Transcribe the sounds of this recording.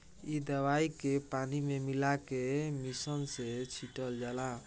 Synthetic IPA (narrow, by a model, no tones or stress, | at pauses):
id̪əwaikepanimemilakemisənset͡ʃʰiʈəld͡ʒala